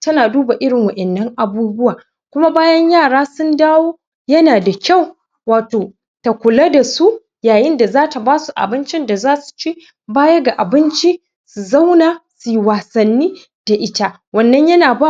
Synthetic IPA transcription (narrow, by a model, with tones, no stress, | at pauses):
tɐ˦naː˨duː˦ba˨ʔɪ˦ɽɪ˨ŋwɐ˨ʔɛ˨nːɐ˦ŋʔa˨buː˦bʊ˦waː˨ | kʷʊ˦ma˦baː˦jɐ˦ɲjaː˦˨ɽaː˦sʊ˦ndaː˦woː˦ | jɐ˦naː˨da˨kʲa˦˨w | waː˨toː˨ | ta˨kʷʊ˨la˦da˨su˦ | jaː˨jɪ˦nda˨zaː˦ta˨baː˦su˨ʔa̰˨bɪ˦nt͡ʃɪ˦nda˨zaː˦su̥˨t͡ʃeː˦ | baː˦jɐ˦ɡa˨ʔa˨bɪ˦nt͡ʃi˦ | su˨za˦wnaː˨su˨ji˦waː˨sɐ˨nːiː˦ | d̥a˨ʔɪ˦ta˦ | wɐ˦nːɐ˦ɲjɐ˦naː˨ba˦˨